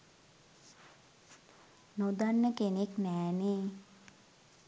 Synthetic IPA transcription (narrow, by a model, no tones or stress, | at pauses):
nod̪anːəkeneknɛːneː